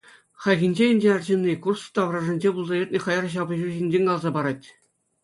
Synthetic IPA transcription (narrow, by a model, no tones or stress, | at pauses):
χɑjɡʲĭnʲd͡ʑeɘ̆nʲd͡ʑʲeɑrd͡ʑenʲːikurst̪ɑʋrɑʐɘ̆nʲd͡ʑebulˠzɑjʲet̪̚ʲnʲĕχɑjɑrɕ̬ɑbɤ̆ʑuʑinʲd͡ʑenʲkɑlˠzɑbɑɾɑtʲ